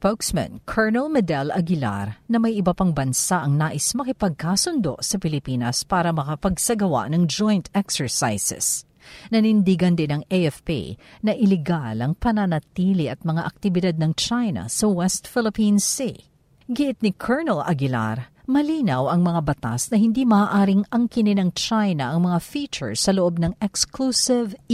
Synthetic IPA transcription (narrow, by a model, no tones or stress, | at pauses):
spowksmɛ̰̃nkʰɛɹnɛlmɛd̪ɛlʔɐɡɪla̰ɾnɐmɐjʔɪbɐpaŋbɐnsaʔɐŋnaːʔɪsmɐkɪpɐɡ̚kaːsʊnd̪o̞̰ʔsɐpɪlɪpiːnɐspaːɾɐmɐkɐpɐɡsɐɡɐwa̰ʔnɐŋd͡ʒojnt̪ʰɛksɛɹsa̰jsɛ̰s | nɐnɪnd̪iɡɐnd̪ɪnɐŋejɛfpḭnɐʔɪlɛɡalɐŋpɐnɐnɐt̪iːliʔɐt̪̚mɐŋaʔɐk̚t̪ɪbɪd̪ad̪̚nɐŋt͡ʃajnɐ̰sɐwɛst̪fɪlɪpinsi | ɡɪʔɪt̪̚nɪkʰɛɹnɛlʔɐ̰ɡɪla̰ɾmɐliːnɐwʔɐŋmɐŋabɐt̪a̰snɐhɪnd̪imɐːʔaːɾɪŋɐŋkɪnɪnɐŋt͡ʃajnɐʔɐŋmɐŋafiːt͡ʃɛ̰ɹsːɐloʔo̞b̚nɐŋɛksklusɪv